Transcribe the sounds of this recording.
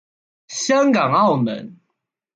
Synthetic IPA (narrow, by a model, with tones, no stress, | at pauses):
ɕjɑ˦ŋkɑ˨˩ŋɑ˥˨ʊmə̰˨˦n